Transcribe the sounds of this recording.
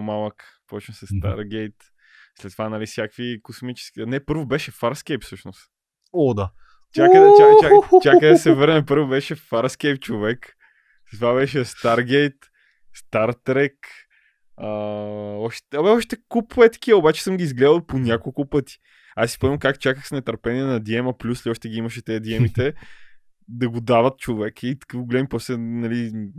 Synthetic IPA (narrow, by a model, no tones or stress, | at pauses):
omalˠəkpɔt͡ʃnsɛst̪a̰ɾɡɛjt̪ | slɛt̪ːvanalisʲjakvikosmit͡ʃɛ̥skʲinɛpɤɾvobɛʃɛfaɾskɛjpfsɤʃnost̪ | od̪a | t͡ʃ̪ʲakəd̪ɐaat͡ʃʲakəd̪ɐsɛvɤɾnɛpɤɾvobɛʃɛfaɾskɛjp̚t͡ʃovɛk | slɛt̪vabɛʃɛst̪aɾɡɛjt̪ | st̪aɾt̪ɾɛk | əɔʃbɛɔʃt̪t̪ɛkupɛt̪ɐ̥k̟iɐobat͡ʃɛ̥sɤmɡʲiːzɡlɛd̪əlˠponʲakolˠkʊpət̪i̥ | asi̥poɛmɐkakt͡ʃakəxsnɛt̪ɐɾpɛniɛnɐd̪iɛməplʲusliɔʃt̪ɛɡʲiiməʃɛt̪ɛəd̪iɛmit̪ɛ | d̪ɐɡod̪avət̪̚t͡ʃovɛkəit̪ɐ̥kəvɡolɛdmipɔslɛnɐli